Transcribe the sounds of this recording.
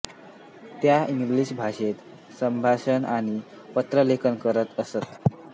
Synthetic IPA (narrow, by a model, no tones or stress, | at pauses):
t̪jaiŋɡliɕbʱaʂet̪ | səmbʱaɕənaɽ̃i | pət̪ɾəlekʰənkəɾət̪əsət̪